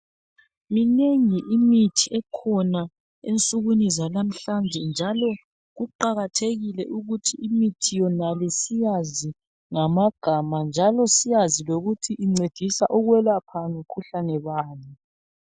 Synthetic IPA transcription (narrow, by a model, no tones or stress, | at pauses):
mineŋiʔimitʰiɛkʰɔna | ent͡sʼuɣunizalam̩ɬand͡ʒʱɛnd͡ʒʱalɔ | ɣuǃaɣatʰeɣilɛʔuɣutʰiimitʰijɔnalisijazi | ŋamaɡ̥ʱamand͡ʒʱalɔsijaziloɣutʰiʔiŋ͡ǀed̥ʱisa̰ʔuɣwɛlapʰaŋukʰuɬanɛβaːnɛ